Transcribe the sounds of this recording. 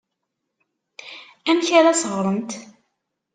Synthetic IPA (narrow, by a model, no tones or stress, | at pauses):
æmçæɾæsʁɾˤəmt̪